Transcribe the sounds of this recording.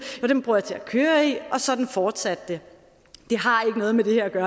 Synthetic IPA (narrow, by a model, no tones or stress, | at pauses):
joʊd̥emb̥ʁuɐjɑ̈t͡sʰe̝ækʰøːɐiɒ̽sɒ̽d̥n̩fɒːd̥sæd̥ːe̝ | d̥e̝ɦɑ̈e̝ɡ̥ənɔ̽ːð̞ˠmed̥e̝heɐæɡ̥ɶːɐ